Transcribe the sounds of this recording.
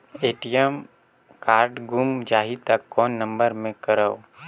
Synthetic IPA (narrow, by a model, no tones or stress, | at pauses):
eːʈijem | kaːɾɖɡʊmd͡ʒaːɦit̪ɐkːɔːnːə̃mbəɾmẽkəɾəo